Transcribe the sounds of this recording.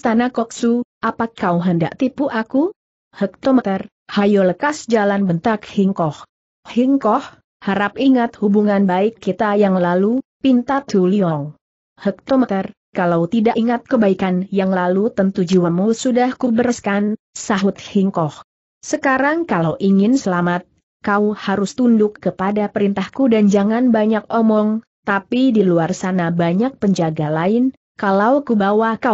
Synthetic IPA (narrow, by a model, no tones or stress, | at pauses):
st̪anakɔk̚suʔapakawɦənda̰ʔ̚t̪ipuʔaku | hək̚t̪ɔmət̪ər | hajoləkasd͡ʒalanbənt̪ak̚hiŋkɔh | hiŋkɔh | haɾapiŋat̪̚hubuŋanbaɪkːit̪ajaŋlalupint̪at̪uliɔŋ | hək̚t̪ɔmət̪ər | kalawt̪idaʔiŋat̪̚kəbaikanjaŋlalut̪ənt̪ud͡ʒuwanmusudahkubəɾəskan | saɦut̪̚hiŋkɔh | səkaɾaŋkalawʔiŋɪnsəlamat̪̚ | kawhaɾʊst̪undʊkːəpadapəɾint̪ahkudand͡ʒaŋanbaɲak̚ɔmɔŋ | t̪apidiluarsanabaɲak̚pəɲd͡ʒaɡalaɪn | kalawkubawaka